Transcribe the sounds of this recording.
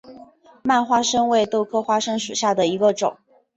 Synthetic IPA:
ma˥˩nxwa˥ʂɤ˥ŋwe˥˧ɪt̪o˥˩ʊkʰɤ˥xwa˥ʂɤ˥ŋʂu˨˩ɕja˥˩d̪ə˩i˧˥ɡə˧ʈ͡ʂʊ̰˨˩˦ŋ

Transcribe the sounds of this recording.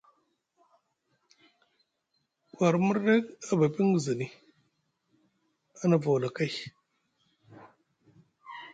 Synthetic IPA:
kwa˨ɾmu˦ɾːe˦ka˨ba˨pi˦ŋɡzə˨ni˨ | a˦na˨vo˨wla˨ka˦j

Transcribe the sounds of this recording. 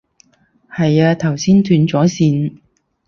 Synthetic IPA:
hɐ˨jaː˧t̪ʰɐ˨˩wsiː˥nt̪ʰyː˨˧nt͡sɔː˨˥siː˨˧n

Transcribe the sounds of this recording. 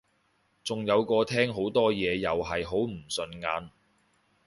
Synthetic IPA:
t͡sʊ˨ŋjɐ˨˧wkɔː˧t̪ʰɛː˥ŋɦo˨˥wt̪ɔː˥jɛː˨˧jɐ˨wɦɐ˨jɦo˨˥wm̩˨˩sɵ˨˧nŋaː˨˧n

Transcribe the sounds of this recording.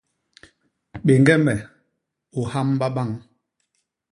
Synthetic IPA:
ɓe˨ŋɡɛ˦mɛ˨ | o˨ha˦mba˦ɓa˦˨ŋ

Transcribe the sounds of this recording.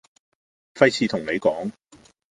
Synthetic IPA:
fɐ˥jt͡sʰiː˨˧t̪ʰʊ˨˩ŋne˨˧jkɔː˨˥ŋ

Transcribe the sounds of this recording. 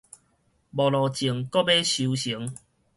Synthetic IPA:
bɔ˨˩lɔ˨˩t͡ɕi˨˩əŋkɔ˦be˦ɕu˧ɕi˨˦ŋ

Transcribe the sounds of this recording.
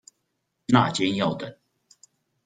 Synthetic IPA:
na̰˥˨t͡ɕjɛ˥njɑ˥˩ʊt̪ə˨˩˦n

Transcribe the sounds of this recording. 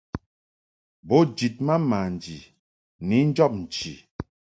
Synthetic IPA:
bo˨˦d͡ʒi˨t̚ma˦ma˨n˨d͡ʒi˨ | ni˨˦n̩˦d͡ʒɔ˦˨p̚n̩˨t͡ʃi˨

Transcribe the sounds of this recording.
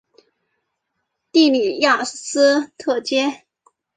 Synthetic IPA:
t̪i˥˩li˨˩jɑ˥˩ʂ̩˥˩sɹ̩˥t̪ʰɤ˥˩t͡ɕjɛ˥

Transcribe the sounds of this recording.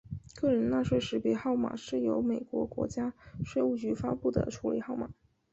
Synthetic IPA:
kɤ˥˩ɻə˧˥nna˥˧ʂwe˥˩ɪʂɻ̩˧˥pjɛ˧˥xɑ˥˩ʊma̰˨˩ʂɻ̩˥˩jo˧˥ʊme˨˩ɪkwɔ̰˧˥kwɔ̰˧˥t͡ɕja˥ʂwe˥˧ɪu˥˩t͡ɕy˧˥fa˥pu˥˩d̪ə̰˩ʈ͡ʂʰu˧˥li˨˩˦xɑ˥˩ʊma̰˨˩˦

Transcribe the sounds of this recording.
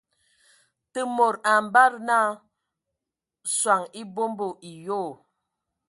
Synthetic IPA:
tə˦mo˨ɾa˨m˨ba˦ɾna˦ | swa˨ŋi˦bo˦mbo˨ʔi˨jo˦˨

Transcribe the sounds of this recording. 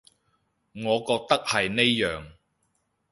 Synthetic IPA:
ŋɔː˨˧kɔː˧k̚t̪ɐ˥k̚hɐ˨jne˥jːœː˨˩ŋ

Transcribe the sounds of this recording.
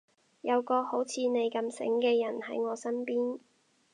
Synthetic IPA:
jɐ˨˧wkɔː˧ho˨˥wt͡sʰiː˨˧ne˨˧jkɐ˧msɪ̰˨˥ŋkɛː˧jɐ˨˩nhɐ̰˨˥jŋɔː˨˧sɐ˥npiː˥n

